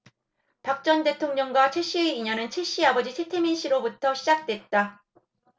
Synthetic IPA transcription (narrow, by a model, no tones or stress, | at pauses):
pak̚t͡ɕ͈ʌnde̞tʰoŋɲʌŋɡwat͡ɕʰeɕ͈ieiɲʌnɯnt͡ɕʰeɕ͈iabʌd͡ʑit͡ɕʰe̞tʰeminɕ͈ʰiɾobutʰʌɕʰid͡ʑak̚t͈we̞t̚t͈a